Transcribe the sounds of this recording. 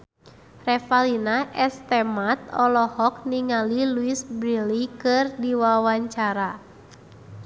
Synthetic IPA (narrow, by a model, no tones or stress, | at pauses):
rɛfalinaʔɛst̪ɛmat̪̚ɔlɔhɔk̚niŋaliluisbɾilikɨrdiwawaɲt͡ʃaɾa